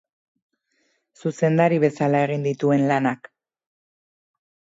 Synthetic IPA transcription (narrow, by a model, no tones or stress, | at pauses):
suse̞nd̪aɾiβ̞e̞salae̞ɣ̞ind̪it̪ue̞nlanak